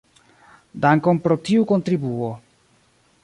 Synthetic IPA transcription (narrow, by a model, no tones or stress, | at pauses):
daŋkonpɾotiuko̞ntɾibuo